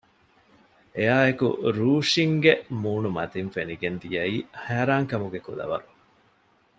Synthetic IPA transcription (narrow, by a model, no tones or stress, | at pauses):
eaːekṵɾuːʂiŋɡemuːnumɐ̰t̪infeniɡend̪ijɐiːhæːɾaːŋkɐmuɡekulɐ̰ʋɐ̰ɾu